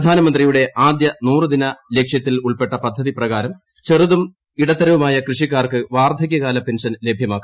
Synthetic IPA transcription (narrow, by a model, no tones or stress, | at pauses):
d̪ʱaːnɐmɐnd̪rijuɽe̞ʔaːd̪jɐnuːrɨd̪inɐle̞kʂjɐt̪ːiluɭpe̞ʈːɐpɐd̪ʱːɐðiprɐɣaːɾɐm | t͡ɕe̞rɨðum | iɽɐt̪ːɐɾɐʋumaːjɐkrɨʂikːaːrkɨʋaːrd̪ʱɐɣʲjɐɣaːlɐpenʂɐnle̞bʱjɐmaːkː